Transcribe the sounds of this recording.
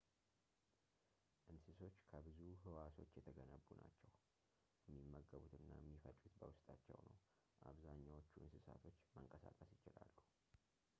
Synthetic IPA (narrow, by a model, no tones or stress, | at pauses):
ʔɨnsɨso̞t͡ʃːkʰəbɨzuɦɨwaso̞t͡ʃːjɛt̪ʰəɡənəβːunat͡ʃːɛw | jɛmːimːəɡːəβut̪ɨnːajɛmːifət͡ʃʼːut̪bəwʊst̪ʼat͡ʃːɛ̰wnəw | ʔaβzaɲːawot͡ʃːuʔɨnsɨsa̰t̪ʰo̞t͡ʃːməŋkʼəsakʼəsjɪt͡ʃɪlalːuh